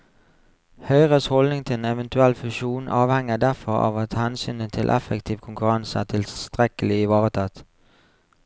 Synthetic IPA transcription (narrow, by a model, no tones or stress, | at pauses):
hœʏʁəshɔlnɪŋt̪ʰɪlɛnɛʋənt̪ʉɛlfʉʃuːnʔɑːʋhɛŋəd̪æʁfɔʁɑ̰ːʋɑt̪hɛnsy̰ːnət̪ʰɪ̰lʔɛ̰fəkt̪ʰiːʋkʰʊŋkʉʁɑnsæ̰ːt̪ʰɪlst̪ʁɛkəlɪɪʋɑːʁət̪ʰɑt̪